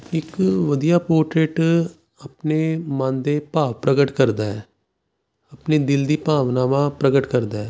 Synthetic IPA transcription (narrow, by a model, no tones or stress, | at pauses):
ɪkʋəd̪ijaːpoːɾʈɾeːʈ | əpneːmãnd̪eːpaːʋpɾəɡəʈkəɾd̪aːɛː | əpneːd̪ɪld̪iːpaːʋnaːʋãːpɾəɡəʈkəɾd̪aːɛː